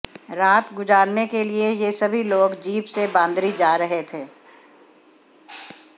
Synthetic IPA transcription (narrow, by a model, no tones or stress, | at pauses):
ɾaːt̪ɡʊzaːɾnekeliejesɐbʱiloːɡd͡ʒiːbsebãːnd̪ɾid͡ʒaːɾɐɦet̪ʰeː